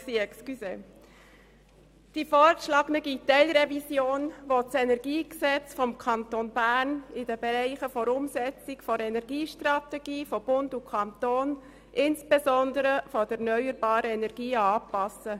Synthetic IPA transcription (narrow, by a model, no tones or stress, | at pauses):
siɛkskyse | d̥ifɔːɾʃlɑɡnəɡitɛɪlɾɛvisjoːnʋɔt͡sɛnɛɾɡiːksɛt͡sfɔmkʰɑntonbæɾnɪd̥əbɛɾæɪχəfoɾʊmsɛt͡sɪkfɔɾɛnɛɾɡiːʃtrɑt̪ɛɡ̥iːfɔb̥ʊndukʰɑnt̪oːn | ʔɪnsb̥ezɔndəɾəfɔd̥əɛnœʏəɾbɑːɾəɛnɛɾɡ̥iːɑːpɑsə